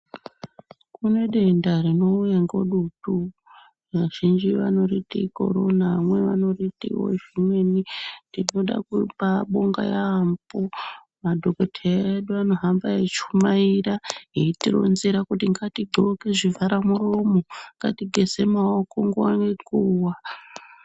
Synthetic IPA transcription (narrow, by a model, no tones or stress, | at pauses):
kune̞ɗe̞ndarino̞jeŋɡo̞̰ɗutu | ʋaʒ̥ind͡ʒiʋa̰no̞ritḭko̞̰ɾonaʋamwe̞ʋa̰no̞ritḭwo̰ʒimwe̞nindino̞ɗa̰kupaɓo̞ŋɡa̰jaːmbo | madʱo̞kotʰeaeɗuano̞ɦambaet͡ʃumaiɾaɦeitiro̰nziɾakutiŋɡatiɡʱokeʐivaɾamuromoŋɡa̰tiɡʱe̞se̞maoko̞ŋɡuanekuːwa